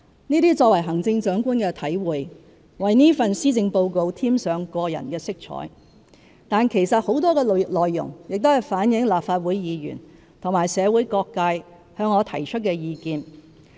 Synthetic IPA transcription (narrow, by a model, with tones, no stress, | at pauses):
niː˥t̪iː˥t͡sɔː˧k̚wɐ˨˩jɦɐ˨˩ŋt͡sɪ˧ŋt͡sœː˨˥ŋkuː˥nkɛː˧t̪ʰɐ˨˥jwuː˨j | wɐ˨jniː˥fɐ˨nsiː˥t͡sɪ˧ŋpo˧wko˧wt̪ʰiː˥msœː˨˧ŋkɔː˧jɐ̰˨˩nkɛː˧sɪ˥k̚t͡ʃʰɔ̰ː˨˥j | t̪aː˨nkʰe˨˩jsɐ˨t̚ho˨˥wt̪ɔː˥kɛː˧lɔː˨jːʊ̰˨˩ŋjɪ˨k̚t̪o˥hɐ˨jfaː˨˥njɪ˨˥ŋlaː˨p̚faː˧t̚wuː˨˥jjiː˨˧jy̰˨˩n | t̪ʰʊ˨˩ŋmaː˨˩jsɛː˨˧wuː˨˥jkɔː˧kːaː˧j | hœː˧ŋːɔː˨˧t̪ʰɐ˨˩jt͡ʃʰɵ˥t̚kɛː˧jiː˨˧kiː˧n